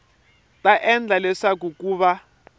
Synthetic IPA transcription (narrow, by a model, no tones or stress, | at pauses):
tʼaʔɛnd͡ɮʱalɛʂak̬ukuːβa